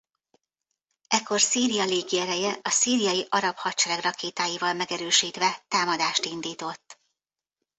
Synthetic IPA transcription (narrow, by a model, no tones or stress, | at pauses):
ɛkʰːo̞rsiːɾijɒleːɡiɛɾɛjɛʔɒsiːɾijɒjiʔɒɾɒphɒtt͡ʃɛɾɛɡrɒkeːt̪aːjivɒlmɛɡɛɾøːʃiːt̪ʋɛt̪aːmɒd̪aːʃt̪ind̪iːt̪o̞t̪ː